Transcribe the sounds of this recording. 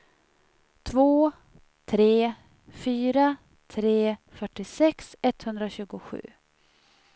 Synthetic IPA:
t̪ʰvoː | t̪ʰɾeː | fyːɾa | t̪ʰɾeːfœʈːɪsɛksɛt̪hɵnd̪ɾaɕʉ̟ːɡʊɧʉ̟̰ː

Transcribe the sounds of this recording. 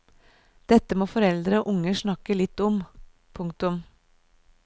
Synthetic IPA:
d̪̥ɛt̪ːəmoːfɔɾɛld̪ɾəoːʔʊŋːəʂɳɑkəlɪt̪ːɔm | pʰʊŋk̚t̪ʊm

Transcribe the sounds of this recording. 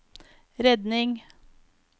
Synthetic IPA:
ɾɛd̪nɪŋ

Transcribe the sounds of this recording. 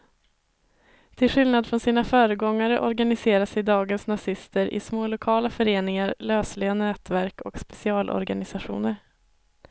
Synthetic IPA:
t̪ʰɪlɧɪlnad̪fɾɔnsiːnafœːɾəɡɔŋːaɾəʔɔɾɡanɪseːɾasɛjd̪ɑːɡənsnasɪst̪əɾʔɪ̰smoːlʊkʰɑːlafœɾeːnɪŋaɾløːslɪɡanɛːt̪væɾkʰɔ̰kspɛ̥sɪɑːlʔɔ̰ɾɡanɪsaɧṵːnəɾ

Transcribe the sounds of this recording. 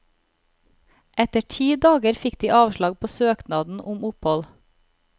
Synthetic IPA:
ʔɛt̪əʈʰiːd̪ɑːɡəɾfɪkd̪iːʔɑːʋʃlɑɡpʰoːsøːknɑːd̪n̩ʔʊmʊphɔl

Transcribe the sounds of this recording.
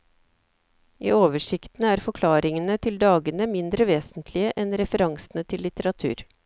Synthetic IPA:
ʔḭːoːʋəʂɪkt̪ən̩æːɾfɔkʰlɑːɾɪŋənət̪ʰɪld̪ɑːɡənəmɪnd̪ɾəʋeːsnt̪ʰlɪəʔɛnɾɛfəɾɑŋsnət̪ʰɪlːɪt̪əɾɑt̪ʰʉ̰ːɾ

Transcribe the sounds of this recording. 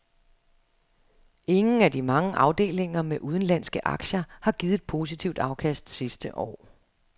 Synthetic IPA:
e̝ŋn̩æd̥imɑ̈ŋəʔɑ̈ʊd̥e̝̰ːle̝ŋɐmeʔuð̞ˠn̩læn̰sɡ̥əʔɑ̈ɡ̥ɕɐhɑ̈ɡ̥iːððˠe̥pʰo̝ːs̬it͡sʰiʊd̥ɑ̈ʊkʰæsd̥sisd̥əʔɒ̰ː

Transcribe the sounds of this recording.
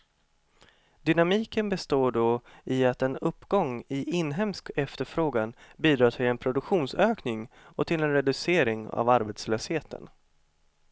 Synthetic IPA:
d̪ʏnamiːkənbɛst̪oːɖoɪat̪ɛnɵpːɡ̥ɔŋɪʔɪnːɦɛmskɛft̪əɾfɾoːɡanbiːd̪ɾɑːt̪ʰɪlɛnpʰɾʊd̪ɵkɧuːnsøːknɪŋ | ɔt̪ʰɪlɛnɾɛd̪ɵseːɾɪŋa̰vaɾbeːt̪sløːsheːt̪ʰə̰n

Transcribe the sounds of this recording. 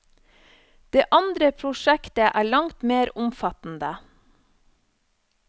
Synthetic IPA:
d̪̥eːʔɑnd̪ɾəpʰɾʊʃækt̪əʔæːɭɑŋt̪meːɾʊmfɑt̪n̩d̪ə

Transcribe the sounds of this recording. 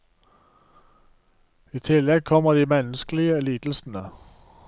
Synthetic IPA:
iːt̪ʰɪlɛɡ̚kʰɔməd̪iːmɛnəsklɪəɛliːd̪̥l̩sn̩ə

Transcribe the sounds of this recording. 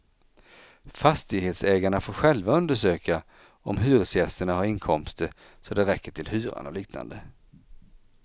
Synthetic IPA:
fast̪ɪɡheːt̪sɛːɡaɳafoːɾɧɛlvaɵnd̪əʂøːka | ɔmɦʉ̟ːvɵsjɛst̪əɳaɦaɾɪŋkʰɔmst̪əɾ | sɔd̪ɛɾɛkʰːəʈʰɪlhʉ̟ːɾa̰nɔliːkna̰nd̪ə

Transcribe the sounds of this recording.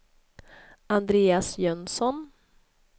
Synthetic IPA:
and̪ɾeːasjœnsɔn

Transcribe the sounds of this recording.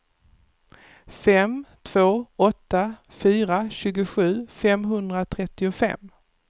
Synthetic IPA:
fɛmt̪ʰv̥oːɔt̪ːa | fyːɾaɕʉ̟ːɡʊɧʉ̟ːfɛmɦɵnd̪ɾat̪ʰɾɛt̪ːɪʊfɛ̰m

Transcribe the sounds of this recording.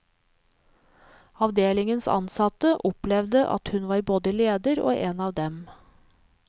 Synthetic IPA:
ɑʋd̪eːlɪŋənsɑ̰nsɑt̪əʔʊplɛʋd̪əʔɑ̰t̪hʉnʋɑːɾboːd̪əleːd̪əɾo̰ːʔeːnɑːʋd̪ɛm

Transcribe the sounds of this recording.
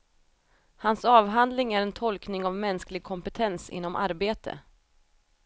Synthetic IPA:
hansɑːvɦand̪lɪŋæɾɛnt̪ʰɔlknɪŋavmɛnsklɪɡ̚kʰɔmpɛt̪ʰɛnsɪ̰nːɔmʔa̰ɾbeːt̪ʰə̰

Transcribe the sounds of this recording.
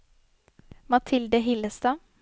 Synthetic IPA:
mɑt̪ʰɪld̪əɦɪləst̪ɑː

